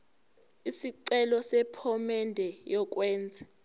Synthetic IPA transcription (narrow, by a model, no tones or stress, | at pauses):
isiǀɛlɔsɛpʰɔmɛndʱɛjɔk̬ʼwɛːnd͡zʱɛ